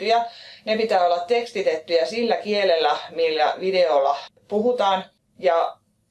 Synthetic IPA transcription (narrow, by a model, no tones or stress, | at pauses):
yjɑnepit̪æːolːɑt̪t̪ekst̪it̪et̪ːyjɑsilːækielelːæmilːæ̰ʋideolːɑpuɦut̪ɑːn | jɑ